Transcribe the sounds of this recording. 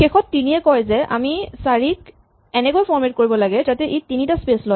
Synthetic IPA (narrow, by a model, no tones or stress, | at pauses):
xexɔtːiniɛkɔjzɛʔa̰misaɹik | ɛnɛkojpʰɔɹmet̚koɹibɔlaɡɛtatɛʔetinitaspeslɔj